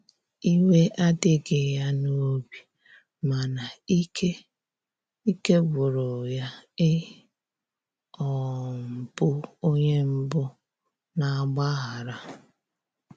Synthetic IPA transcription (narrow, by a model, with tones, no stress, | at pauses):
i˦we˦ʔa˦dɪ˦ɡɪ˨ja˦no˦bi˨ | ma˨na˨˦ke˦ | i˦ke˦bʊ˨ɾʊ˨ja˦ɪ˦ | ɔ˨m̩˨pʊ˦o˦ɲe˦m̩˦bʊ˦ | na˨a˦ɡ͡ba˦ɦa˨ɾa˦